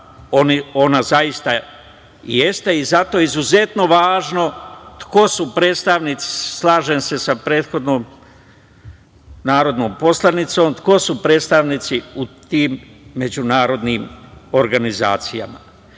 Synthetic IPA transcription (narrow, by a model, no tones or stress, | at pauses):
onio̞nazaist̪a | jest̪e̞izat̪o̞ːizuze̞t̪no̞ʋaːʒno̞t̪ko̞supɾe̞ːt̪st̪aʋnit̪si̥slaːʒense̞sapɾe̞ːt̪xo̞d̪noːm | naːɾo̞d̪no̞ːmpo̞slˠanit̪so̞ːmt̪ko̞supɾe̞ːt̪st̪aʋnit̪siut̪iːmː | e̞d͡ʑunaːɾo̞d̪niːmo̞ɾɡaniza̰ːt̪sija̰ma̰